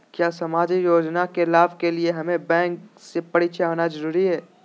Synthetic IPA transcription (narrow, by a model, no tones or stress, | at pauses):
kjaːsɐmaːd͡ʒijoːd͡ʒnakelaːbkelieɦɐmẽbɛ̃ːŋksepɐɽit͡ʃʰaɦoːnazɐɾuːɾiɦɛː